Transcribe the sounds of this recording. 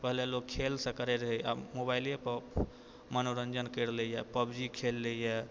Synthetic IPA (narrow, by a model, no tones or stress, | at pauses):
pəɦlelokkʰelsə̃kəɾɛɾəɦəja̰mobajlepə | mənoɾənd͡ʒənkəɾlejɛpəbd͡ʒikʰelːejɛ